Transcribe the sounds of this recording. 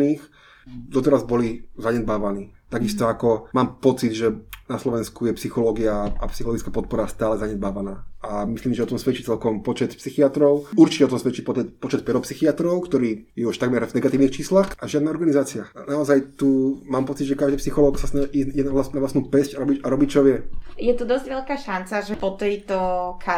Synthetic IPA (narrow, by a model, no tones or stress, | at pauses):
niːx | d̪ɔt̪ɛɾazbɔlizaɲɛd̪̚baːʋaniːt̪aɡist̪ɔakɔmaːmpɔt͡sid̪ʒɛnaslɔʋɛnskujɛpsixɔlɔːɡiaa̰psixɔlɔɡit͡skapɔt̪̚pɔɾast̪aːlɛzaɲɛd̪baːʋanaːamisliːmsʒɛɔt̪ɔmsʋɛt͡ʃit͡sɛlkɔmpɔt͡ʃɛt̪psixiat̪ɾɔʊuɾt͡ʃicɛɔt̪ɔmsʋɛt͡ʃipɔɛpɔt͡ʃɛt̪pɛɾɔpsixiat̪ɾɔʊkt̪ɔɾiːjɛuʃt̪aɡmɛɾvnɛɡat̪iːʊnixt͡ʃiːslaxaʒɪad̪naɔɾɡanizaːt͡sɪaanaɔzajt̪uːmaːmpɔt͡sid̪ʒɛkaʒd̪iːpsixɔlɔːksasnaʒɛʔiziɟɛnalasnaʋlasnuːpɛscaɾɔbicaɾɔbit͡ʃɔʋɪɛjɛt̪ud̪ɔzɟʋɛʎkaːʃant͡saʒɛpɔt̪ɛjt̪ɔkʰa